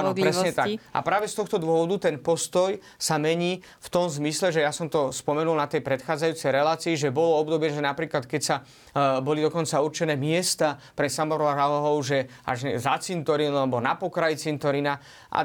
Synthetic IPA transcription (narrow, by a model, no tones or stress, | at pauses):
anɔɾɛssɲɛt̪akʔa̰pɾaːʋɛst̪ɔxt̪ɔd̪ʊɔʋɔd̪ut̪ɛnpɔst̪ɔj | samɛɲiː | ft̪ɔmzmislɛʒɛjasɔmt̪ɔspɔmɛnulnat̪ɛjpɾɛt̪xaːd͡zajuːt͡sɛjɾɛlaːt͡siːʒɛbɔlɔɔbd̪ɔbjɛʒɛnapɾiːklat̪kɛcsa | bɔlid̪ɔkɔnt͡saurt͡ʃɛnɛːmɪɛst̪apɾɛsamɔɾɔɦaɦɔɦɔʊʒɛ | a̰ʒzat͡sint̪ɔɾinalɛbɔnapɔkɾajt͡sint̪ɔɾina | ʔa̰